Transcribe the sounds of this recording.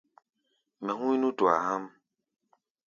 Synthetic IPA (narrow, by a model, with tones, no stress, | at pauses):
mɛ̃˨ɦũ˦i˦nũ˦twa̰˨ha˦m